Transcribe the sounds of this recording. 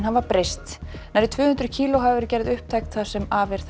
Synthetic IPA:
nhavapɾejst̪najɾɪt̪ʰvʏːhʏnt̪ɾʏcʰiːlɔɦavɪvɛɾcɛɾðʏhp̚t̪ʰajkt̪θḁsɛmaːvɪɾ̥θ

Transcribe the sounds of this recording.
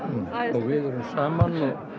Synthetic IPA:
ɔɣvɪðɔɾʏmsaːmanɔ

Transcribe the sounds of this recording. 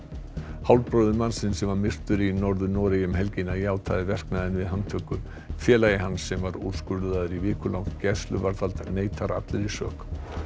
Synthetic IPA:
hawlpɾoːwðʏmansɪnsɛmvaɾmɪr̥t̪ʏɾinɔɾðʏnɔːɾɪjʏmɦɛlcinːaiaːwt̪ʰajðɪvɛr̥knaðɪnvɪðɦanːt̪ʰœːkʏ | fjɛːlajɪɦanːsːɛmvaɾṵɾ̥skʏɾðaðʏɾivɪːkʏlawht̪cɛst̪lʏvaɾθalt̪neːjt̪ʰaɾa̰t̪lɪɾisœːk

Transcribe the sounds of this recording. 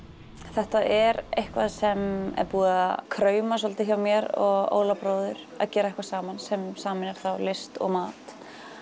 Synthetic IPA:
θɛht̪aʔɛɾejhkvaðsɛmɛ̰ɾpuːðaakʰɾœːɥmasɔlt̪ɪçawmjɛɾɔɣo̰ːwlapɾoːwðʏɾ̥ | a̰ðcɛːɾaðɛhkvasaːmansɛmsaːmɪnɛɾ̥θawlɪst̪ɔ̰ɣmaːt̪

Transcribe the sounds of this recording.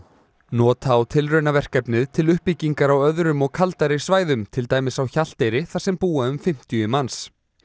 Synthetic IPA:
nɔːt̪ʰawt̪ʰɪlrœɥnavɛr̥kɛpnɪðt̪ʰɪlʏhpicːiŋkaɾawœðɾʏmɔɣkʰalt̪aɾɪ̥svaːjðʏmt̪ʰɪlt̪aːjmɪsawçal̥t̪ejɾɪθḁsɛmpuːaʏmfɪm̥t̪jʏʏmans

